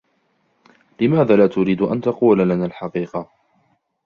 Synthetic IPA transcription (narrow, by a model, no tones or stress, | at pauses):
lɪmaːðaːlaːt̪ʊɾiːd̪ʔa̰nt̪ɑquːlalanaːlħɑqiːqɑ